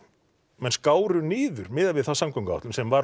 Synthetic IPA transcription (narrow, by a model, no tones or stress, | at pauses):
mɛnskaːwɾʏniːðʏɾmɪːðavɪðθawsamkʰœŋkaa̰ht̪ʏmsɛmvaɾ